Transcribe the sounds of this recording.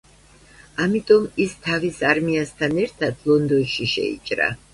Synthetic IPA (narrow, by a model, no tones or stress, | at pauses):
amit̪ʼɔmist̪ʰavisaɾmiast̪ʰanɛɾt̪ʰad̪̥lˠɔnd̪ɔnʃiʃɛ̰ḭt͡ʃʼɾa̰